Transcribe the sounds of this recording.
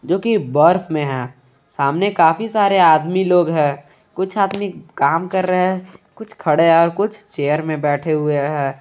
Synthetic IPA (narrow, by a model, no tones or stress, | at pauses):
d͡ʒoːkibɐɾfʰmẽɦɛ̃ː | saːmnekaːfisaːɾeaːd̪miloːɡɦɛ̃ː | kʊt͡ʃʰaːd̪mikaːmkɐɾːəɦkʊt͡ʃʰkʰɐɽeɦɛɔːɾkʊt͡ʃʰt͡ʃeːjəɾmẽbɛːʈʰeɦʊeɦɛ̃ː